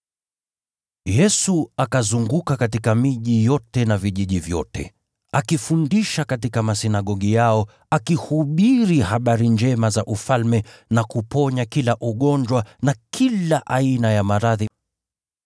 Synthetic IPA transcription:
jɛsuakazuŋɡukakatikamiʄijɔtɛnaviʄiʄivjɔ̰tʰɛ̰ | akifundiʃakatikamasinaɠɔɠijaɔ | akihuɓiɾihaɓaɾind͡ʒɛmazaʔufalmɛnakupɔɲakilaʔuɠɔnd͡ʒwanakʰilaʔainajamaɾaði

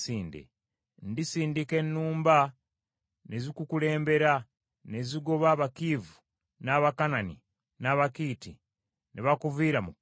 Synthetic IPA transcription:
siːndḛ | ndisiːndike̞nːuːmba | nʔe̞zikukule̞ːmbe̞ɾa | ne̞ziɡo̞βaːβakiːvu | naβakanani | naːβakiːti | neβakuviːɾamu

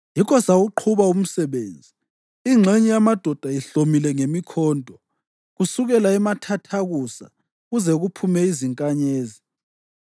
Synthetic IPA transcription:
jikʰɔsaɣuǃʰuβaum̩sɛβend͡zʱi | iŋ͡ǁʱeɲijamad̥ʱɔd̥ʱajiɬomilɛŋemikʰɔːntʼɔ | ɣusuɣɛlaɛmatʰatʰaɣusa̰ | ɣuzɛɣupʰumɛiziŋkʼaɲeːzi

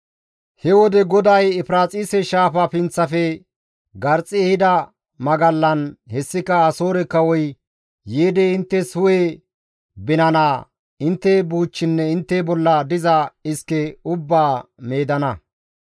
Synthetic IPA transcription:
hɛwɔd̪ɛɡɔd̪ɐjɪfɾaːt͡sʼisɛʃaːfɐpɪnt͡sːɐfɛ | ɡɐɾt͡sʼɪɛhɪd̪ɐ | mɐɡɐlːɐnhɛsːɪkɐːso̞ːɾɛkɐwɔj | jeːd̪ɛɪnt̪ːɛsʊwe | bɪnɐnaː | ɪnt̪ːɛbuːt͡ʃːɪnːɛɪnt̪ːɛbɔlːɐd̪ɪzɐɪskɛʊbːaːme̞ːd̪ɐnɐ

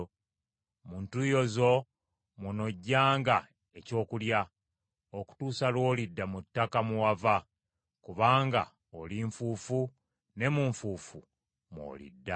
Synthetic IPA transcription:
muːntujo̞zo̞ | muno̞ɟːaːŋɡa | e̞co̞ːkulja | oku̥tuːsalwo̞ːlidːamutːakamuwava | kuβaːŋɡa̰ | oliɱfuːfu | ne̞muɱfuːfu | mwo̰ːlḭdːa

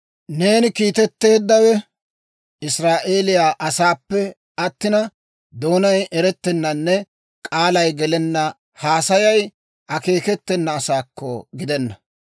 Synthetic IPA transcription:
ne̞ːnɪkiːt̪ɛt̪ːe̞ːd̪ːɐwɛ | ɪsɾaːʔe̞ːlɪjaːʔɐsaːpːɛ | ɐt̪ːɪnɐ | d̪o̞ːnɐjɛɾɛt̪ːɛnːɐnːɛ | kʼaːlɐjɡɛlɛnːɐ | haːsɐjɐj | ʔɐke̞ːkɛt̪ːɛnːɐːsaːkʰːɔ̰ɡɪd̪ɛnːɐ

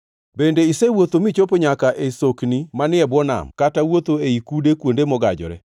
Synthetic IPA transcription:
bendeisewot̪omit͡ʃopoɲakaʔesoknimanɪɛbwɔna̰mkatawot̪oeikudekwondemɔɡa̰d͡ʒɔ̰ɾɛ̰

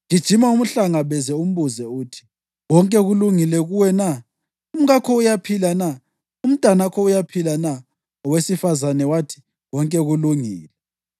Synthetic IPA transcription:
ŋid̥ʒ̥ʱimaum̩ɬaŋaβɛzɛum̩βuzɛuːtʰi̥ | wɔŋkʼɛɣuluŋilɛɣuwɛna | um̩ɣakʰɔujapʰilana | um̩tʼanakʰɔujapʰilana | ɔwesifazanɛwatʰi̥ | wɔŋkʼɛɣuluŋḭːlɛ

